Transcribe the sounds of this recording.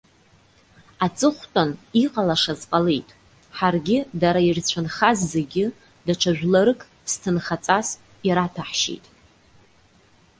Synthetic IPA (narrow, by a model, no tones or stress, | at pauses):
at͡sʼɨχʷtʼaniqʼalaʂazqʼalejtʼ | ħarɡʲɪdaɾairt͡ɕʷʰanχazːeɡʲɪ | daʈ͡ʂʰaʒᶣʷlaɾɨkʼ | stʰɨnχat͡sʼas | iɾatʰaħʃḛjtʼ